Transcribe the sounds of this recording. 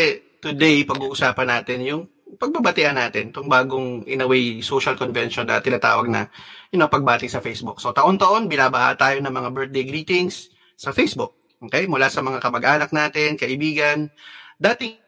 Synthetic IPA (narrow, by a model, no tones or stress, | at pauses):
ɛ | t̪ʊd̪ɛjpɐɡuːʔʊsaːpɐnaːt̪ɪnjʊŋ | pɐɡ̚bɐbɐt̪ɪʔɐnaːt̪ɪnt̪ʊŋbaːɡoŋʔɪ̰nɐwɛjsoːʃɐlkonvɛnʃonːɐ̰t̪ɪnaːt̪a̰ːwɐ̰ɡ̚nɐ̰jɐnopɐɡ̚baːt̪ɪsɐfejsbʊk̚so̞t̪ɐʔo̞nt̪ɐʔo̞nbɪnaːbɐha̰t̪aːjo̞nɐŋmɐŋabɛɹt̪̚d̪ejɡɾiːt̪ɪŋsː | ɐfejsbʊk̚ | ʔoːkɛjmʊlaːsɐmɐŋakɐmɐɡʔaːnɐk̚naːt̪ɪnkɐʔɪbiːɡɐnd̪aːt̪ɪŋ